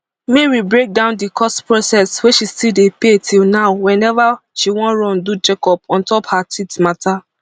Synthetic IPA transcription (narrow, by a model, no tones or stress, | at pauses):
mɛɹibɹek̚dãʊ̃ndikʰɔspɹosɛsweʃistidepetʰilnaʊwɛ̃nɛvaʃiwɔ̃nɹɔ̃ndud͡ʒekɔpɔ̃ntɔphatitmatʰa